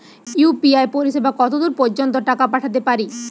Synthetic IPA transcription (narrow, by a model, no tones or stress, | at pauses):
jupiaepoɾiʃebakɔt̪od̪uɾpoɾd͡ʑont̪̬oʈakapaʈʰat̪̬epaɾi